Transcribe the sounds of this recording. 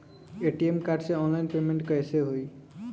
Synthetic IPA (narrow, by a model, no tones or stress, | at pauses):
eʈiemkaɾɖseɔnlajnpemeɳʈkɔjeseɦoj